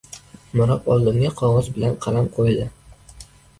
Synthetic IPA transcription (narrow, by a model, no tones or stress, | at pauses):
mʊɾɒpɒlˠd̪ɪmɡʲaqʰɒʁɒzbɪlanqʰɑlamqʰojad̪ɪ